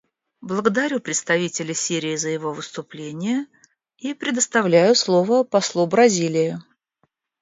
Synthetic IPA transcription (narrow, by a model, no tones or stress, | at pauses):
blˠəɡəd̪ɐɾʲupɾʲɪt̪st̪ɐvʲitʲɪlʲəsʲiɾʲɪːzəjɪvo̞vɨst̪ʊplʲenʲɪjə | ipɾʲɪd̪əst̪ɐvlʲæjʊslˠo̞vəpɐslˠubɾɐzʲilʲɪjʊ